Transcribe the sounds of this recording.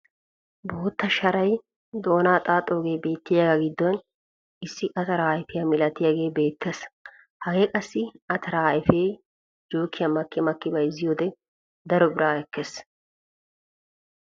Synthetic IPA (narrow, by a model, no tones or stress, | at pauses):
bo̞ːt̪ːɐʃɐɾɐj | d̪o̞ːnaːt̪ʼaːt̪ʼːoːɡe̞ːbe̞ːt̪ːɪjaːɡɐɡɪd̪ːɔn | ɪsːɪʔɐt̪ɐɾaːjfɪjɐmɪlɐt̪ɪjaɡe̞ːbe̞ːt̪ːeːs | hɐɡe̞ːkʼɐsːɪɐt̪ʰɐɾaːjɪfeːj | d͡ʒoːkːɪjɐmɐkːɪmɐkːɪbɐjzɪjoːd̪ɛ | d̪ɐɾɔbɪɾaːɛkːeːs